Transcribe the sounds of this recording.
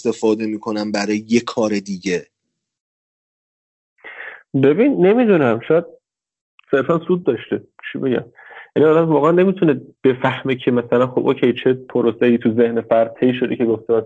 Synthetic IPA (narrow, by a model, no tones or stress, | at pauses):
st̪e̞fɒːd̪e̞miːkʰo̞næmbæɾɒːjeje̞kʰɒːɾe̞d̪iːɟe | be̞binːe̞mid̪unæmʃɒːjæd̪̚ | se̞ɾfænsuːd̪̚d̪ɒʃt̪et͡ʃʰibe̞ɟæ̰m | jæniɒːd̪æmvɒːɣæʔænːe̞mit̪ʰuneb̥e̞fæhmecʰe̞mæsælænχxobʔoːcʰejt͡ʃʰepʰoɾoseiːt̪ʰuze̞hnefæɾd̪̚t̪ʰeiʃo̞d̪ekcʰe̞ɡoft̪ʰemæ